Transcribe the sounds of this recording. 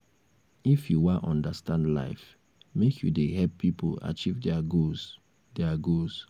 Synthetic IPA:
ifjuwaʔɔ̃ndastãndla̰ɪf | mekʰjṵdeɦɛlpʰːipo̰a̰t͡ʃivdɛaɡos | dɛaɡos

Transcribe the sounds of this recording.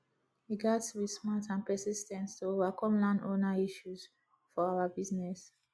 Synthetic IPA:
iɡaswidsmatãnpɛsistɛ̃nstoovakɔ̃mlãndonaiʃuz | fɔawabiznɛs

